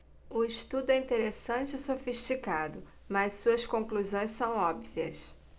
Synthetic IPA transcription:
ʊɪʃt̪ud̪ʊɛĩnt̪eɾesɐ̃t͡ʃɪɪsofiʃt͡ʃikad̪ʊ | mɐssuɐskõkluzõj̃ssɐ̃w̃ɔbviɐ̰s

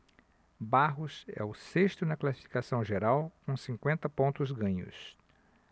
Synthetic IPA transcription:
baɦʊsɛ̰ʊseʃt̪ʊnɐklasi̥fi̥kasɐ̃w̃ʒeɾawkõsĩkwẽnt̪ɐpõnt̪ʊzɡɐ̃ɲʊ̰s

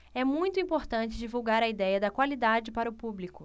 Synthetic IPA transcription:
ɛmũj̃t̪ʊĩmpoɾt̪ɐ̃nt͡ʃɪd͡ʒivuwɡaɾɐid̪ɛjɐd̪ɐkwalid̪ad͡ʒɪpaɾɐʊpublikʊ

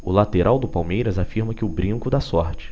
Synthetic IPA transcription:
ʊlat̪eɾʔawd̪ʊpawmejɾɐzafiɾmɐkɪʊbɾĩŋkʊd̪asɔɾt͡ʃɪ̥

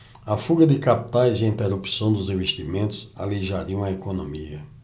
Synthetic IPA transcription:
ɐfuɡɐd̪ɪkapi̥t̪ajziĩnt̪eɾupi̥sɐ̃w̃d̪ʊzĩveʃt̪imẽnt̪ʊ̥sa̰liʒaɾiw̃ɐekonõmiɐ

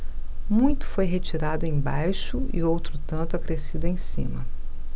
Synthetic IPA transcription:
mũj̃t̪ʊ̥fojɦet͡ʃiɾad̪ʊẽj̃bajʃʊḭowt̪ɾʊt̪ɐ̃nt̪ʊakɾesid̪ʊẽj̃sḭ̃mɐ

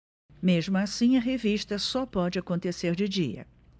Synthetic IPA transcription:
meʒmʊasĩɐɦeviʃt̪ɐsɔpɔd͡ʒɪakõnt̪eseɾd͡ʒɪd͡ʒiɐ̰

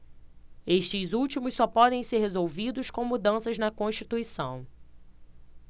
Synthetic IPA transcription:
eʃt͡ʃɪzuwt͡ʃimʊssɔpɔd̪ẽj̃seɾɦezowvid̪ʊskõw̃mud̪ɐ̃sɐznɐkõʃt͡ʃit̪uisɐ̰̃w̃

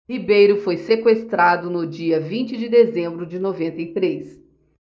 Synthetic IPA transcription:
hibejɾʊfojsekwest̪ɾad̪ʊnʊd͡ʒiɐvĩnt͡ʃɪd͡ʒɪd̪ezẽmbɾʊd͡ʒɪnovẽnt̪ejt̪ɾes

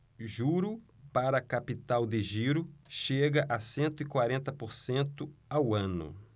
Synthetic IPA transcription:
ʒuɾʊ | paɾɐːkapit̪awd̪ɪʒiɾʊʃeɡɐʔɐsẽnt̪ʊikwaɾẽnt̪ɐpoɾsẽnt̪ʊawɐ̃nʊ̰

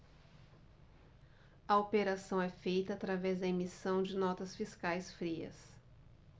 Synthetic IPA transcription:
ɐopeɾasɐ̃w̃ɛfejt̪ɐːt̪ɾavɛzd̪ɐemisɐ̃w̃d͡ʒɪnɔt̪ɐsfiskajsfɾiɐ̰s

